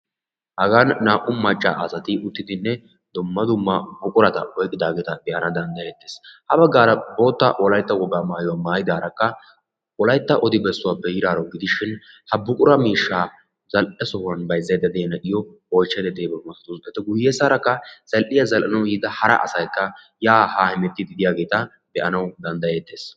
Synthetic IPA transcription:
hɐɡanːaːʔʊmɐt͡ʃʼːa̰ːʔɐsɐt̪ɪʊt̪ːɪd̪ɪnːɛ | d̪ʊmːɐd̪ʊmːɐbʊkʼʊɾɐt̪ɐɔjkʼːɪd̪aːɡɛt̪ɐbɪjɐnɐd̪ɐnd̪ɐɛt̪ːeːshɐbɐɡːaːɾɐbo̞ːt̪ːɐʔɔlɐjt̪ːɐwɔɡːaːmaːjʊwaːmaːjɪd̪aːɾɐkːɐ | ʔɔlɐjt̪ːɐʔɔd̪ɪbɛsːʊwaːpːɛjɪɾaːɾɔwɡɪd̪ɪʃɪn | hɐbʊkʼʊɾɐmiːʃːaː | zɐlʔɛsɔhʊɐnbɐjzɐjd̪ɐd̪eːnɐʔɪjɔ | ɔjt͡ʃːɛd̪ɛd̪eːbɐmɐsɐt̪ʊsɛt̪ːɛɡʊjːeːsaːɾɐkːɐz̥ɐlʔɪjɐzɐlʔɐnɐwjiːd̪ɐhɐɾɐ̰ʔɐ̰sɐjkːɐ | jaːhaːhɪmɛt̪ːɪd̪ɪd̪ɪjaːɡe̞ːt̪ɐ | bɛʔɐnɐwd̪ɐnd̪ɐjet̪ːe̞ːs

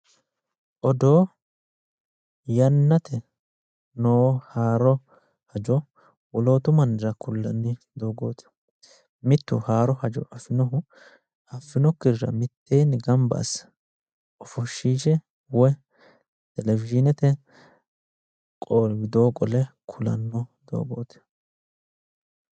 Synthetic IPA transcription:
ʔɔd̪oː | jɐnːɐt̪ʰɛ | noːhaːɾɔ | hɐd͡ʒɔ | wɔlo̞ːt̪ʊmɐnd̪ɾɐkʊlːɐ̰nːɪ | d̪oːɡoːt̪ɪ̥ | mɪt̪ːʊ̰haːɾɔhɐd͡ʒɔ̰ʔɐfːɪnɔɦʊ | ɐfːɪnɔkːɪɾɾɐ̰mɪt̪ːejnɡɐmbɐ̰s | ɔfɔʃːiːʃɛ | wɔ | t̪ɛlɛvɪd͡ʒɪnɛt̪ɛ | kʼoːlɡɪd̪o̞ːkʼɔlɛkʰʊlɐ̰nːɔd̪o̰ːɡo̰ːt̪ɛ̥

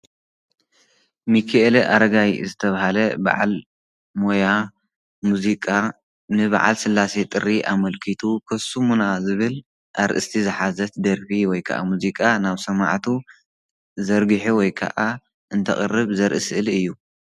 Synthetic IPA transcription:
mikʰeʔeleʔa̰ɾɐɡajzɨt̪ʰɐβahalɐba̰ʕa̰l | moja | muzikʼa | nɨβa̰ʕa̰lsɨlːaset̪ʼɨrːiʔamɐlkʰit̪ʰukʰɐsumunazɨβɨl | ʔaɾʔɨ̰st̪ʰizɨħazɐt̪̚d̪ɐɾfiwɔjkʰɐ̰ʔa̰muzikʼanaβsɐma̰ʕt̪ʰu | zɐɾɡɨħuwɔjkʰɐ̰ʔa | ʔɨnt̪ʰɐχʼɨ̰rːɨβzɐɾʔɨsɨʔɨlɨjːu

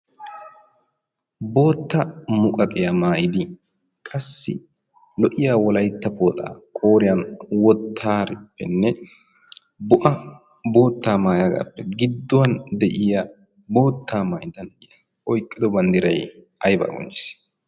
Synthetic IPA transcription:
bo̞ːt̪ːɐmʊkʼɐkʼɪjɐmaːjɪd̪ɪ | kʼɐsːɪ̰ | lɔʔɪjaːwɔlɐjt̪ːɐpo̞ːt̪ʼa̰ːkʼo̞ːɾɪjɐnwɔt̪ʰːaːɾɪpːɛ̰nːɛ | bʊʔɐ | bo̞ːt̪ːaːmaːjaɡa̰ːpːɛɡɪd̪ːʊwɐnd̪ɛʔɪjɐ | bo̞ːt̪ʰːaːmaːjɪd̪ɐnɛjɐ | ʔɔjkʼːɪd̪ɔbɐnd̪ɪɾɐj | ɐjba̰ːɡɔ̰nt͡ʃɪ̥s

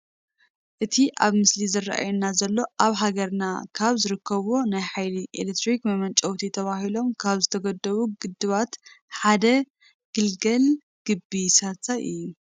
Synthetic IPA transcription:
ʔɨt̪ʰiʔaβmɨslizɨrːa̰ʔa̰junazɐlːo̞ʔaβɦaɡɐɾna̰kʰaβzɨɾɨkʰːɐβonajħajliʔḛlet̪ɾikmɐmɐnt͡ʃʼɐwt̪ʰit̪ʰɐβaɦilo̞mkʰaβzɨt̪ʰɐɡɐd̪ːɐβuɡɨd̪ːɨβat̪ħad̪ɐ | ɡ̥ɨlɡɐl | ɡ̥ɨbːisat̪ajʔɨ̰jːu

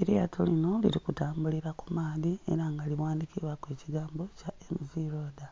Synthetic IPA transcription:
eɾejatʰolino̞lḭɾikutaːmbuliɾakumaːðie̞̰ɾaŋɡaliβwaːndikiβakwe̞ːciɡaːmbo̞caemiziɾoːda

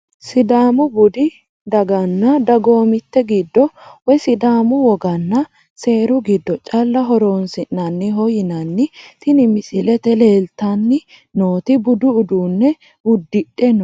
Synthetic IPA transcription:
sɪd̪aːmʊbʊd̪ɪ | d̪ɐɡɐnːɐd̪ɐɡo̞ːmɪt̪ːɛɡɪd̪ːɔwɔsɪd̪aːmʊwɔɡɐnːɐ | se̞ːɾʊɡɪd̪ːɔt͡ʃʼɐlːɐɦɔɾo̞ːnsɪnːɐnːɪɦɔjɪnɐnːɪt̪ɪnɪmɪsɪlɛt̪ɛleːlt̪ːɐnːɪ | noːt̪ɪbʊd̪ʊʊd̪uːnːɛ | ʊd̪ːɪᶑɛnɔ

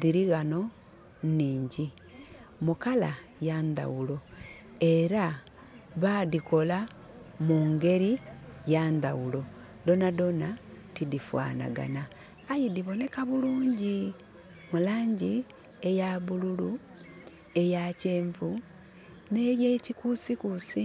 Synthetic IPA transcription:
diɾiɣano̞ | niːɲɟi | mukalajanda̰ɣulo̞ | e̞ɾa | βadiko̞la | muːŋɡe̞ɾijand̪awulo̞ | do̞nado̞natidifwa̰ːna̰ɡa̰naː | jidiβo̞ne̞kaβuluːɲɟi | mulaːɲɟi | ejaβululu | e̞jaceːɱvu | nejecikusikusi

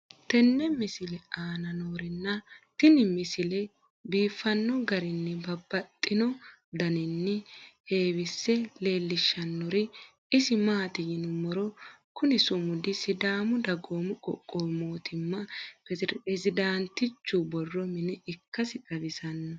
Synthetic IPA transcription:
t̪ɛnːɛmɪsɪlɛaːnɐnoːɾɪnːɐt̪ɪnɪmɪsɪlɛ | biːfːɐnːɔɡɐɾɪnːɪbɐbːɐt̪ʼːɪnɔ | d̪ɐnɪnːɪhe̞ːwɪsːɛle̞ːlːɪʃːɐnːɔɾɪ | ɪsɪmaːt̪ɪjɪnʊmɔɾɔkʊnɛsʊmʊd̪ɪsɪd̪aːmʊd̪ɐɡoːmʊkʼɔ̰kʼːoːmo̞ːt̪ɪmːɐpɛzɛzɪd̪aːnt̪ːɪt͡ʃːʊbɔrːɔmɪnɛɪkːɐsɪkʼɐbɪsɐnːɐ

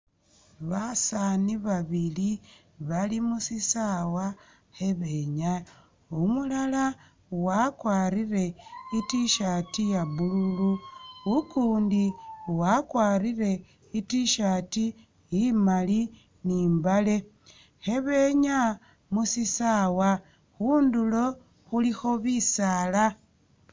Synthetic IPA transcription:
βasaniβaβili | βalimusisawa | heβeɲa | umulala | wakwaːɾire̞itiʃatijaβululuukuːndiuwakwaːɾire̞ | itiʃati | jimali | niːmbale̞ | xe̞βe̞ɲa | musisawa | xuːndulo̞ | xulixo̞βisala

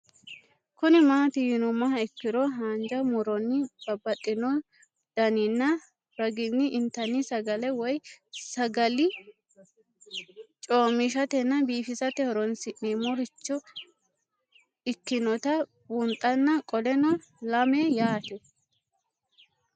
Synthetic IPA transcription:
kʊnɪmaːt̪ɪjɪnɔmɐɐɪkːɪɾɔɦaːnd͡ʒɐmʊɾɔnːɪb̥ɐbːɐt̪ʼːɪnɔ | d̪̥ɐnɪnːɐ | ɾɐɡɪnːɪʔɪnt̪ːɐnːɪsɐɡɐlɛwɔjsɐɡɐlɪ | t͡ʃʼoːmɪʃ̬ɐt̪ɛnːɐbiːfɪsɐt̪ɛhɔɾɔnsɪʔiːmɔɾɪt͡ʃːɔ | ɪkːɪnɔt̪ɐ | bʊnt̪ʼːɐnːɐkʼɔlɛnɔ | lɐmejaːt̪ɛ

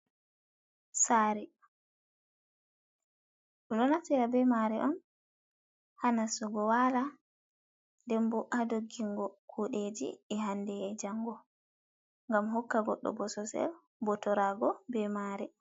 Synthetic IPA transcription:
saːɾɛ | ɗɔɗɔnatiɾabɛmaɾɛʔɔn | hanasɔɡɔwala | ndɛmbɔʔadoɡːiŋɡɔkʰuɗed͡ʒḭɛɦandɛːd͡ʒaŋɡɔ | ŋɡamɦɔkːaɡɔ̰ɗːɔ̰bɔsɔsɛ̰l | bɔtɔɾaɡɔbɛmaːɾɛ

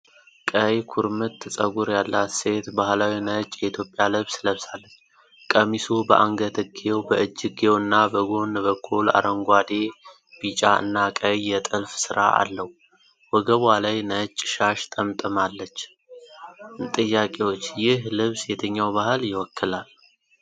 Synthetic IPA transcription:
kʼəjkʰuɾmɨt̪ʰːɨsʼəɡuɾjalːat̪se̞t̪bahlawinət͡ʃʼjɛit̪ʰjo̞pʼːjalɨβsləβsalːət͡ʃː | kʼəmisubəʔaŋɡət̪ʰɨɡewbəʔɨd͡ʒːɪɡewɨnːabəɡo̞nbəkʰːula̰ɾəŋɡʷad̪e̞ | b̥it͡ʃʼaɨ̰nːakʼəjːɛt̪ʼɨlfsɨɾʔa̰a̰lːəwu | wɔɡəβalajnət͡ʃʼːʃaʃt̪ʼəmt̪ʼɨmalːət͡ʃː | t̪ʼɨjːakʼewot͡ʃːjɪɦlɨβsjet̪ʰəɲːawbahɨljɪwɔkːɨlal

